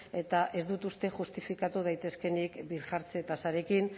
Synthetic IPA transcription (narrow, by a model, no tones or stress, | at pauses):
e̞t̪aʔe̞zd̪ut̪ust̪e̞ʝust̪ifikat̪uð̞ajt̪e̞ske̞nikbiɾʝaɾt͡se̞t̪asaɾe̞kin